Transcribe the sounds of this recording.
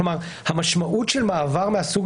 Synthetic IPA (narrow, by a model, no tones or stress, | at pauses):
omaʁ | hamaʃmaʔutʃelmaːvaʁmeasuɡ